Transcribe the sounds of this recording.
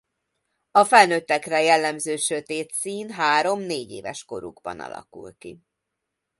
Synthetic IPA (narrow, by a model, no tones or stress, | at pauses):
ɒfɛlnøt̪ːɛkrɛjɛlːɛmzøːʃø̞t̪eːt̪siːnɦaːɾo̞mneːɟeːvɛʃko̞ɾuɡbɒ̰nɒ̰lɒ̰kulki